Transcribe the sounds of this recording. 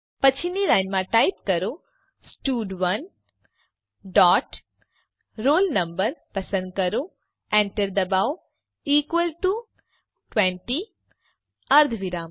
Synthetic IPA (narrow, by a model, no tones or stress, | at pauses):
pɐt͡ʃʰinilaɪnmãʈajp̚kɐɾo | sʈuːɖʋɐn | ɖaːʈ | ɾoːlnɐmbəɾpɐsə̃nd̪̚kɐɾo | ẽɳʈəɾd̪ɐbaːw | iːkʋəlʈu | ʈʋẽɳʈi | ɐɾd̪ʰʱʋiɾaːm